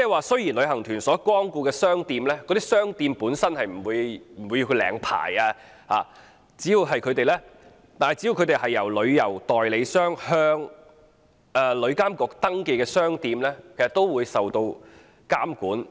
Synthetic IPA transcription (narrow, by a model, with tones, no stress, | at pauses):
t͡sɛː˥˩waː˨˧sɵ˥ɥjiː˨˩nlɵ˨˧˥ɦɐ˨˩ŋt̪ʰyː˨˩nsɔː˨˥kʷɔː˥ŋkuː˧kɛː˧sœː˥ŋt̪iː˧mlɛː˥kɔː˨˧˥t̪iː˥sœː˥ŋt̪iː˧mpuː˨˥nsɐ˥nhɐ˨jm̩˨˩wuː˨˧jm̩˨˩wu˨˧ji˧kʰːlɛ̰ː˨˥ŋpʰa̰ː˨˩jaː˧ | ha̰ː˨ | t͡siː˨˥jiː˨˧wɦɐ˨jkʰɵ˨˧ɥt̪e˨jlɛː˥ | t̪aː˨nhjt͡si˨˥i˧wkʰɵ˨˧t̪e˨jɦɐ˨jːɐ˨˩wlɵ˨˧ɥjɐ˨˩wt̪ɔː˨jle˨˧jsœː˥ŋhœː˥ŋ | ɛː˨˩lɵ˨˧ɥkaː˥mkɔː˧k̚t̪ɐ˥ŋke˧jkɛː˧sœː˥ŋt̪iː˧mlɛː˥kʰe˨˩sɐ˨t̪ːo˥wwuː˨˧jsɐ˨wt̪o˧w | kaː˥mkuː˨˥n